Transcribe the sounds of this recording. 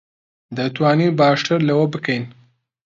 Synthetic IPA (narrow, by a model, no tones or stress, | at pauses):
d̪ət̪wɑːnibɑːʂʈaɾlawabəkajn